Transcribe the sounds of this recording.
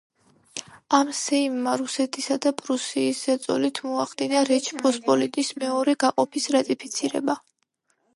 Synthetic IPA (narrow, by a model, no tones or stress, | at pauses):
amsɛimːaɾusɛt̪ʰisad̪apʼɾusiːszɛt̪sʼɔ̰lit̪ʰmɔaχd̪inaɾɛt͡ʃʰpʰʼɔspʼɔlit̪ʼismɛɔɾɛɡaqʼɔpʰisɾat̪ʼipʰit̪sʰiɾɛ̰ba